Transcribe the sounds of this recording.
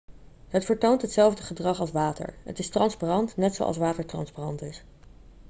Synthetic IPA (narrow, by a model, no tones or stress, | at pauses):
ɦətfəɹtowntɦətsɛlˠvdəχədrɑχɑlˠsʋaːtə̰ɹə̰tɪstrɑnsparɑntnɛtso̰wʔɑ̰lsʋaːtəɹtrɑ̰nsparɑntɪs